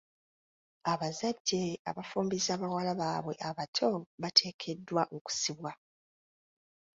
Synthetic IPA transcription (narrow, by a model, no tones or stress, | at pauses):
aβazaɟːe̞a̰βafuːmbizaːβawalaβaːβwe̞ʔaβatʰo̞βatʰe̞ːkʰe̞dːwaʔoku̥siβwa